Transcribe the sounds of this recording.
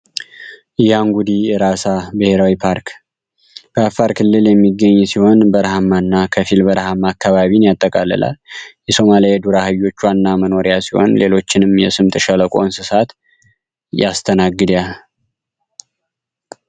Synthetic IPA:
ʔjaŋɡud̪ijɛɾasabɨhe̞ɾawipʰaɾk | b̥əafːaɾkʰɨlːɨljɛmːiɡːəɲːsiho̞nbəɾhamːanːakʰəfilbəɾɦamːaːkʰːaβaβinjat̪ʼːəkʼalə̰lʔa̰ljɛso̞malied̪uɾahɨjːo̞t͡ʃːwanːaməno̞ɾijasiho̞̰nle̞lo̞t͡ʃːɪnɨmjɛsɨmt̪ʼɨʃələkʼo̰nsɨsat̪ | jast̪ʰənaɡːɨd̪jal

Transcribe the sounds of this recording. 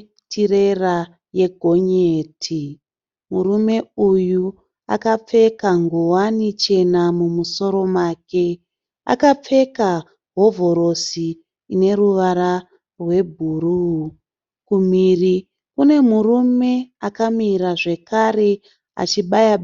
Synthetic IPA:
tire̞ra | je̞ɡʱo̞ɲeːtʰi | murume̞uju | a̰kap͡fe̞kaŋɡowanit͡ʃe̞namumuso̞ɾo̞maːke̞ | a̰kap͡fe̞ka | ɦo̞vʱo̞ɾo̞siː | ne̞ɾuʋaɾa | rwe̞bʱuru | kumiri | kune̞murume̞akamiɾaʐe̞kare̞ | a̰t͡ʃiɓajaɓ

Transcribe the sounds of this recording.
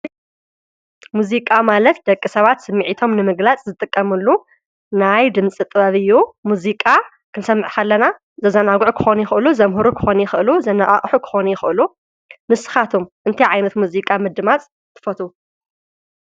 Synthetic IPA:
muzikʼamalɐt̪̚d̪ɐkʼːisɐβat̪sɨmːiʕit̪ʰo̞mnɨmɨɡlat͡sʼzɨt̪ʼɨkʼːɐmɨlːu | najd̪ɨmt͡sʼit̪ʼɨβaβɨjːumuzikʼa | kʰɨnsɐmːɨʕkʰɐlːɐna | zɐzɐnaɡʕukʰɨ̥xo̞njɪxɨʔɨluzɐmɦuɾukʰɨ̥xo̞njɪxɨʔɨluzɐnaʔʼa̰χʼħukʰɨ̥xo̞nujɪxɨʔɨlu | mɨsɨ̥xat̪ʰumʔɨnt̪ʰiʕajnɐt̪muzikʼamɨd̪ːɨmat͡sʼ | t̪ʰːɨ̥fɐt̪u

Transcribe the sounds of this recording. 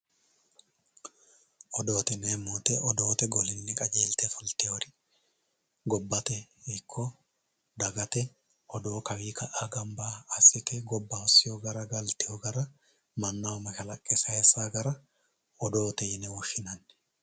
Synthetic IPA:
ʔɔd̪o̞ːt̪ɛneːmoːt̪ɛʔɔd̪o̞ːt̪ɛɡɔlɪnːɪkʼɐd͡ʒeːlt̪ɛfʊlt̪ɛjɔɾɪ | ɡɔbːɐt̪ɛɪkʰːɔ | d̪ɐɡɐt̪ɛ | ʔɔd̪o̞ːkɐwiːkɐʔaɡɐmbaːsːɪkɛɡɔbːɐɔsːɪjoːɡɐɾɐɡɐlt̪ɪjoɡɐɾɐ | mɐnːawɔmɐʃɐlɐkʼːɛsɐhɛsaːɡɐɾɐ | ɔd̪oːt̪ɛɪnɛwɔʃːɪnɐnːɛ̥

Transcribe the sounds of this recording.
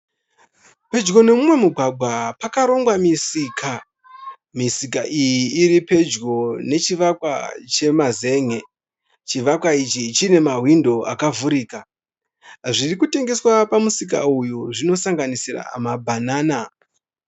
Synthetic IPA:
pe̞d͡ʒɡo̞ne̞mumwe̞muɡʱwaɡʱwapakaɾo̞ŋɡwamisikʰa | misikaʔijiːɾipe̞d͡ʒɡo̞ne̞t͡ʃiʋakwa̰t͡ʃe̞maze̞ːŋe | t͡ʃiʋakwait͡ʃit͡ʃine̞maɦwindo̞akavuɾiːka | ʐirikute̞ŋɡe̞swapamusik̬a̰ujuʐino̞saŋɡanisira̰a̰mabʱanaːna

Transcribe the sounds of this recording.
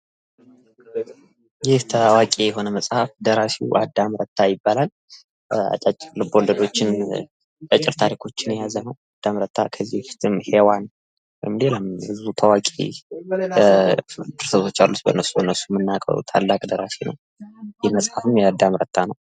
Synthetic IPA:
jɪht̪ʰəwakʼejɛɦo̞nəməsʼhafd̪əɾasiwʔa̰d̪ːamɾət̪ʰːajɪbːalal | a̰t͡ʃʼat͡ʃʼlɨbold̪əd̪o̞t͡ʃːɪn | kʼət͡ʃʼːɪɾt̪ʰaɾikʰo̞t͡ʃːɪnjɛjazənəwad̪̥ːamɾət̪ʰːa̰kʰəzːiʊst̪ʰɨmhewan | wɛjmleləmbɨzut̪ʰawakʼḛ | d̪ɨɾsəβʰo̞t͡ʃːalːut̪bə̰nːəsːubənːəsːu̥mːɨnːakʼə̰ɾṵt̪ʰa̰lːakʼd̪əɾasinə̰w | jɪhməsʼhafɨmjɛad̪ːamɾət̪ʰːanəw

